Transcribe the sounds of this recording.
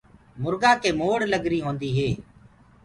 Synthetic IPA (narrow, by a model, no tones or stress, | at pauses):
mʊɾɡaːkeːmoːɽləɡɾiːɦõːnd̪iːɦeː